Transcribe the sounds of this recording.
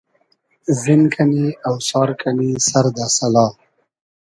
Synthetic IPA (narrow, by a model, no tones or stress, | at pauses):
zɪnkʰaniawsɑːɾkʰanisaɾd̪asalɑː